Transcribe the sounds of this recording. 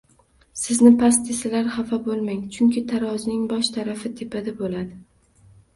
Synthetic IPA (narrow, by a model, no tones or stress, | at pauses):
sɪznɪpʰast̪ʰesɪlaɾhafabolˠmaŋt͡ʃʰʊŋkʲʰɪt̪ʰaɾɒznɪŋbɒʃt̪ʰaɾafɪt̪ʰepad̪abolad̪ɪ